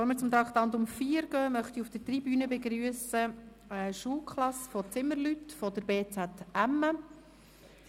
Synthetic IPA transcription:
fɔɾmɪːɾt͡sʊmt̪ɾɑkt̪ɑnd̪ʊmfiːəɾɡ̥œːmœχt̪iufd̥ətribyːnəbeɡɾyːəsə | ɛʃuːlkχlɑsfɔt͡sɪməɾlyt̪fɔd̪əɾbeːt͡sæt̪æmːə

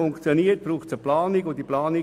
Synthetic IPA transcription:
ʊŋkt͡sjoniːət̚b̥ɾuːχt͡səplɑːnɪɡʊnd̥iplaːnɪ

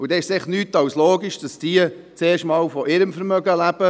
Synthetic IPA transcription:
ʊd̥ɛɪʃsɪχnyːtɑwsloːɡiʃd̥ɑsd̥iə | t͡seːʃtmɑːwfɔɪɾəmfəɾmœɡəlæb̥ə

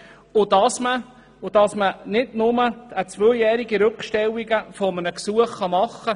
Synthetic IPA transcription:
ʊd̥ɑsmə | ʊd̥ɑsmənɪdnʊməət͡svœjæːɾiɡiɾɵkʃtɛlːiɡəfɔmənəksuəχχɑmɑχːə

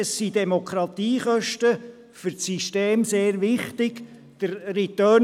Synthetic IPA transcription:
əsːidɛmokʰɾɑt̪iːχœʃtə | fʏɾsiʃteːmseːɾʋɪχtɪɡ̥ | d̥əɾrit̪œː

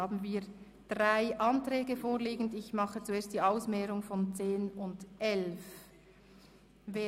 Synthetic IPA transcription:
aːbn̩viː | d̥ʁaɪʔɑntʁɛːɡəfoːliːɡən̩dɪçmɑχət͡sueːɐstd̥iːaʊsmɛːɾʊŋfɔnt͡seːnʊndʔɛlf | ve

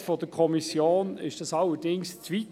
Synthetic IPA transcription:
fod̥əkʰɔmisjoːnɪ̰ʃd̥ɑsɑləd̥ɪŋst͡sʋit

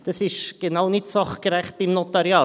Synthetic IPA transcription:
d̥ɑsɪʃɡ̥enaʊnɪtsɑχɡ̥ɾɛχt̚b̥imnotɑɾjɑː

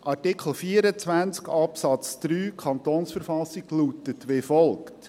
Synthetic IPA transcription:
ʔɑɾtikʰl̩ˠfiəɾət͡sʋænt͡skɑpsɑt͡sd̪̥ɾyːkʰɑnt̪oːnsfəɾfɑsiɡlutətʋefɔlˠkt

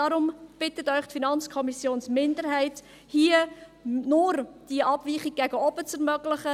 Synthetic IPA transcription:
dɑɾʊmb̥ɪtətœʏχtfinɑnt͡skʰɔmisjoːnsmɪndəɾhɛɪt | hiːənʊɾd̥iəʔɑb̥viːχiɡ̚ɡæɡəɔb̥ət͡sɛɾmœɡlɪχə

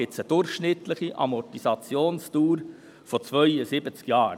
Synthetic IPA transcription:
ɪtt͡səd̥ʊɾχʃnɪt̪ləχiʔɑ̰mɔtisɑt͡sjoːnstuːɾ | fɔt͡svœʏəsɪbət͡skjɑːɾ

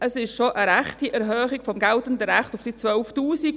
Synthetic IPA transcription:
ʔəsɪʃʃoʔəɾɛχtiʔɛɾɦœːχɪɡ̥fɔmɡɛltəndəɾɛχtʊfd̥iːt͡sʋœlftuːsiɡ

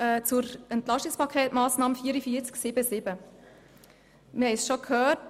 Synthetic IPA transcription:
ɛːt͡sʊɾɛntlɑʃtikspɑkʰɛːtmɑːsnɑːməfiːəɾəfiːəɾt͡sksɪbəsɪbə | mɪhɛɪsʃokʰhœːt̚

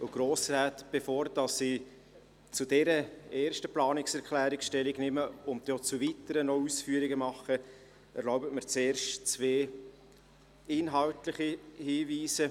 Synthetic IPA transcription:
ʊɡ̥ɾoːsraːtb̥efoːɾd̥ɑsːiː | t͡sudɛɾəeːɾʃtəplɑːnɪksɛɾkʰlæːɾɪksʃtɛlɪɡnɪməʊntot͡suvitəɾənɔusfyəɾɪɡəmɑχə | ɛɾlɔʊbətmɪɾt͡seːɾʃtt͡sveː | ɪnɦɑltlɪχihiːviːsə

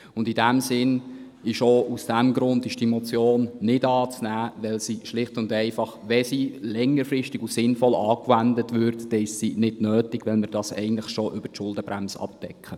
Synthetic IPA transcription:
ʊndidæmsɪn | ɪʃoʔusd̥æmɡɾʊntɪʃtɛmot͡sjoːnːɪdɑːt͡snæːʋɛlsiʃlɪχtʊndɛɪfɑχʋɛsilɛŋːəɾfɾɪʃtɪɡusɪnfɔlɑːkʋændətʋʏɾtd̥ɛɪʃsinɪdnøːtɪɡʋɛlmɪɾd̥ɑsɛ̰ɪɡən̩tləχʃoʔʏb̥əʃʊldəbɾæmsɑ̰pd̥ɛkʰχə

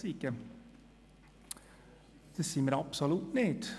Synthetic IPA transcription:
ɪkːə | d̪̥ɛsiməɾɑpsɔlut̪neːt̪

